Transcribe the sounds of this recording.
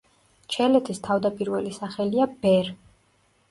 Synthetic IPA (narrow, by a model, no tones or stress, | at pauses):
t͡ʃʰɛlɛt̪ʰist̪ʰavd̪apʼiɾvɛlisaχɛliabɛɾ